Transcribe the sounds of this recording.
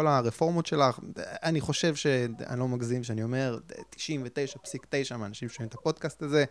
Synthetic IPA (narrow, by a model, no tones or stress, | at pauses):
olaʁefo̞ʁmotʃe̞laχaniχo̞ʃe̞vʃea̰nlo̞maɡzimʃeanio̞me̞ʁt̪i̥ʃimvete̞jʃapsikte̞jʃamaːnaʃimʃoimt̪apo̞d̥̪kastaze̞